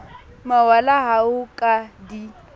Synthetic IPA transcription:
mawalaɦaʊkʼadi

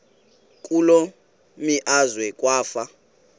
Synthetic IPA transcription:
kʼulo | miʔazwɛkʼwaːfa

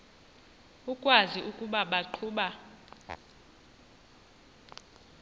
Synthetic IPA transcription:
ukʼwaziʔukʼuɓaɓaǃʰuːɓa

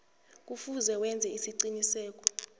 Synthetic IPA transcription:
k̬ʼufuzɛwɛnd͡zʱɛisiǀinisɛːk̬ʼɔ̥

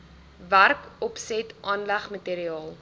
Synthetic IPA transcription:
værkɔpsɛtʔɑːnlæχməteːɾiɑːlˠ

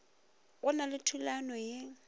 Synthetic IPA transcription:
ɣʊnalɪtʰulanɔje

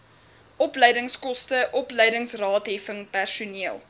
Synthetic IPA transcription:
ʔɔpləjdəŋskɔstəʔɔpləjdəŋsrɑːtɦɛfəŋpærsuniəlˠ

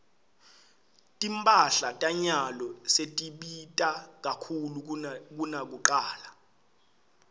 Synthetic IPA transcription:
tʼimpʼaɬatʼaɲalɔsetʼiɓitʼak̬akʰuluk̬unak̬uǃaːla

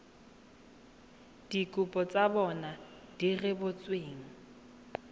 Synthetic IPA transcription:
d̥ikʼupʼɔt͡sʼabɔnad̥irɪbʊt͡sʼweːŋ̩

